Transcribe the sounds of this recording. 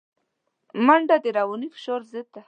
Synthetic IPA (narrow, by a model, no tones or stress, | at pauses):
maɳɖad̪eɾawunifɪ̥ʃoɾzɪd̪a